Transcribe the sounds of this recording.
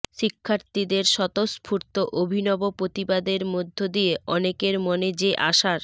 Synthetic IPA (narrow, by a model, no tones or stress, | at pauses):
ʃikʰːaɾt̪id̪eɾʃɔt̪ospʰuɾt̪oʔobʱinɔbopɾot̪ibad̪eɾmod̪ʱːod̪ijeɔnekeɾmoned͡ʑeʔaʃaɾ